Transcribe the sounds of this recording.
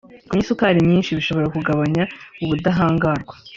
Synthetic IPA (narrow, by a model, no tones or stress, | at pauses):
kumɲisukaːɾimɲiːnʃiβiʃo̞βo̞ɾakuɡaβaɲauβudaɦaːŋɡaɾɡwḁ